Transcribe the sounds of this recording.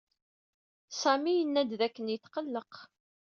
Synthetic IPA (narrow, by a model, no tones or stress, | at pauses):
sæmijənːæd̪ðækːənjəθqəlːəq